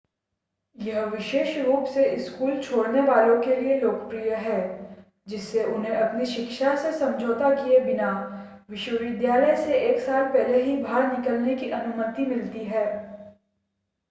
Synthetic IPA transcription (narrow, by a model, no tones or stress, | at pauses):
jɐɦʋɪʃeːʃɾuːpseɪskuːlt͡ʃʰoːɽneʋaːlõkelieloːkəpɾijəɦɛː | d͡ʒɪsːeʔʊnɦẽʔɐpniʃɪkʃasesɐ̃md͡ʒʱoːt̪akiebɪna | ʋɪʃwəʋɪd̪jaːləjseeːksaːlpɛɦleɦibʱaːɾnɪkəlnekiʔɐnʊmət̪imɪlt̪iɦɛː